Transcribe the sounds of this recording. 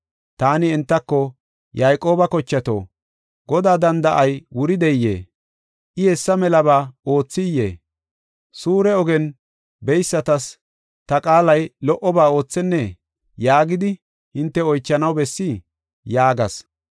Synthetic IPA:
t̪aːnɪɛnt̪ːɐkːɔ | jɐjkʼo̞ːbɐkɔt͡ʃːɐt̪o̰ː | ɡɔd̪aːd̪ɐnd̪ɐʔɐjwʊɾɪd̪ɛjːḛː | ʔɪhɛsːɐmɛlɐβaːo̞ːt͡sːɪjːḛː | suːɾɛɔɡɛn | bɛjsːɐt̪ɐs | t̪ɐkʼaːlɐjlɔʔɔbaːo̞ːt͡sːɛnːɛ | jaːɡɪd̪ɪ | hɪnt̪ːɛɔjt͡ʃːɐnɐwbɛsːɪ | jaːɡɐs

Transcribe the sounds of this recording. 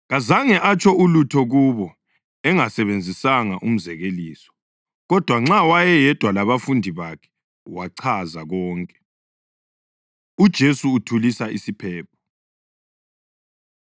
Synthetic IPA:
ɣazaŋɛʔat͡ʃʰʼɔʔulutʰɔɣuβɔ | ɛŋasɛβend͡zʱisaŋaʔum̩zɛɣeliːsɔ̥ | ɣɔd̥ʱwaŋ͡ǁawajɛjɛd̥ʱwalaβafundʱiβakʰɛ̥ | waǀʰazaɣɔːŋkʼɛ | ud̥ʒ̥ʱesuːtʰulisaʔisipʰɛːp̚ʰɔ̥

